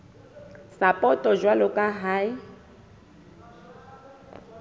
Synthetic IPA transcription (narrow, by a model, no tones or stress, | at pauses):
sapʼɔtʼɔd͡ʒwalʊkʼaɦaɪ